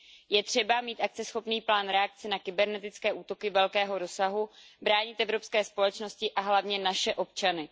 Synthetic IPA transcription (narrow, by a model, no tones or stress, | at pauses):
jɛt̪r̝̥ɛbamiːt̪ʔak̚t͡sɛsxo̞pniːplaːnɾɛak̚t͡sɪnakɪbɛɾnɛt̪ɪt͡skɛːʔuːt̪o̞kɪvɛlkɛːɦo̞ɾo̞saɦubɾaːɲɪt̪ʔɛvɾo̞pskɛːspo̞lɛt͡ʃno̞scɪʔaɦlavɲɛnaʃɛʔo̞p̚t͡ʃanɪ